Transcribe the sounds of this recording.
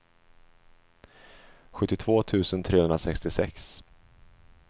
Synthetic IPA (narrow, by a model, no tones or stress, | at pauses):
ɧɵt̪ːɪt̪ʰv̥oːt̪ʰʉ̟ːsənt̪ʰɾeːhɵnɾasɛkst̪ɪsɛks